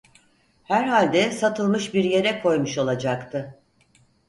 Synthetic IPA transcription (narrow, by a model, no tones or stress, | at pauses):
hæɾhalʲd̪ɛsat̪ʰɯlˠmɯʃbiɾje̞ɾɛkʰo̞jmuʃo̞lˠad͡ʒakt̪ʰɯ